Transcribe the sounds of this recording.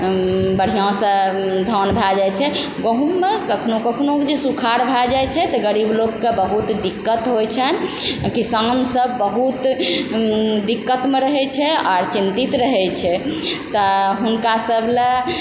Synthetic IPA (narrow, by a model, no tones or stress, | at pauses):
bəɽ̤ijãsə̃d̪ʱɔnbʱad͡ʒajt͡ʃʰɛ | ɡoɦumːekəkʰnokəkʰnokd͡ʒesukʰaɾbʱad͡ʒajt͡ʃʰɛt̪ɔɡəɾiblokːebəɦut̪d̪ikːət̪ɦojt͡ʃʰənkisansəbːəɦut̪ | d̪ikːət̪meɾəɦɛt͡ʃʰɛaɾt͡ʃint̪it̪ɾəɦɛt͡ʃʰɛt̪ɔɦunkasəble